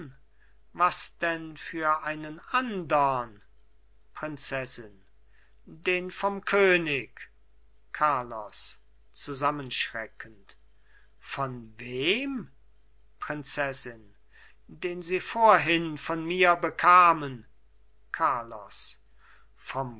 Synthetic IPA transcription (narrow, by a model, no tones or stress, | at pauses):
vasd̥ɛnfyːɐʔaɪnənʔandɐn | pʁ̥ɪnt͡sɛsɪn | deːnfɔmkʰøːnɪk | kʰːaɐlɔs | t͡suzamənʃʁ̥ɛkʰənt | fɔnveːm | pʁ̥ɪnt͡sɛsɪn | deːnziːfoːɐɦɪnfɔnmiːɐbəkʰaːmən | kʰaɐlɔ̰s | fɔm